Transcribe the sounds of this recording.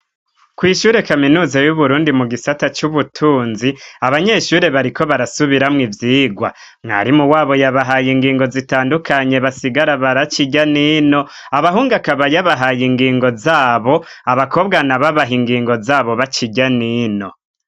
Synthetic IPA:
kwiːʃuːɾe̞kaminuːzajuβuɾuːndimuɡisatat͡ʃuβutʰuːnziaβaɲe̞ʃuːɾe̞βaɾikʰo̞βaɾasuβiɾamŋivjiːɡwa̰ | mŋa̰ɾimuwaːβo̞jaβaɦajiŋɡiːŋɡo̞zitaːndukʰaɲe̞βasiɡaɾaβaɾat͡ʃiɟanino̞ | aβaɦuːŋɡakaβajaβaɦajiŋɡiːŋɡo̞zaːβo̞aβakʰo̞bɡanaβaβaɦiŋɡiːŋɡo̞zaːβo̞βat͡ʃiɟaniːno̞

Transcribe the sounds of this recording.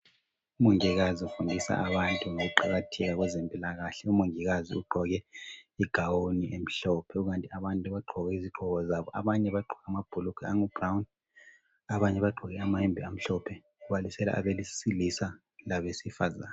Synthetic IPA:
umoŋiɣaziufundʱisa̰aβantʼuŋoɣuǃaɣatʰɛɣaɣwɛzempʼilaɣaɬɛumoŋiɣazḭuɡ͡ǃʱɔɣɛiɡ̥ʱawoniʔem̩ɬɔpʰɛuɣantʼiaβantʼuβaɡ͡ǃʱɔɣɛiziɡ͡ǃʱɔɣɔzaβɔʔa̰βaɲɛβaɡ͡ǃʱɔɣamab̥ʱulukʰɛaŋub̥rawn | aβaɲɛβaɡ͡ǃʱɔɣɛamaimbʱiam̩ɬɔpʰɛ | uβalisɛla̰ʔa̰βelisilisa | laβesifaza̰ːna

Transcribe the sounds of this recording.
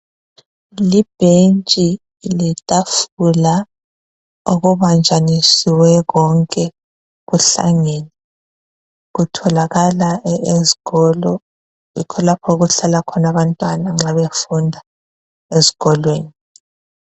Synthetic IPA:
lib̥ʱent͡ʃʼi | litʼafula | uɣuβand͡ʒʱanisiwɛɣɔŋkʼɛ | ɣuɬa̰ŋeni | ɣutʰɔlaɣalaezi̥ɣɔlɔ | ḭkʰɔlapʰɔuɣuɬalakʰɔnaβantʼwanaŋ͡ǁaβefundʱa | ezi̥ɣɔlweːni

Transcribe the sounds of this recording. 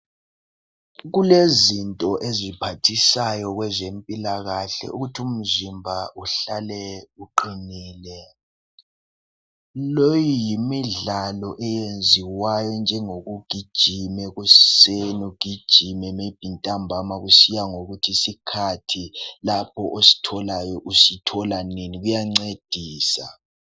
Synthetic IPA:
ɣulezintʼɔʔezipʰatʰisajɔɣwɛzempʼilaɣaɬɛ̰ʔuɣutʰum̩zimbʱaʔuɬalɛuǃiniːlɛ | lojijimiɮalɔʔɛjend͡zʱiwajɔnd͡ʒʱɛŋoɣuɡ̥ʱid̥ʒ̥ʱimɛɣussenuɡ̥ʱid̥ʒ̥ʱimɛmeb̥ʱintʼambʱamaɣusijaŋoɣutʰisikʰatʰilapʰɔʔosi̥tʰɔlajɔʔusitʰɔlaneniɣujaŋ͡ǀed̥ʱiːsa̰

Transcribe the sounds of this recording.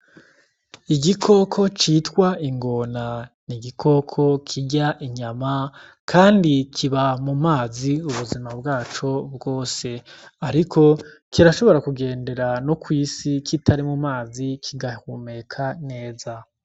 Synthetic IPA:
iɡikʰo̞kʰo̞t͡ʃitwaiŋɡo̞naniɡikʰo̞kʰo̞kʰiɟaʔiɲama | kʰaːndikʰiβamumaːziuβuzimabɡaːt͡ʃo̞b̚ɡo̞ːse̞aɾikʰo̞ | kiɾaʃo̞βo̞ɾakuɡe̞ːnde̞ɾanokwiːsikʰitʰaɾimumaːzikʰiɡahume̞kʰane̞ːza

